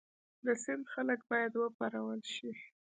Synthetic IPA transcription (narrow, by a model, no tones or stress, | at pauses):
d̪əsɪnd̪xalək̚bɑjad̪wəpaɾawəlʃi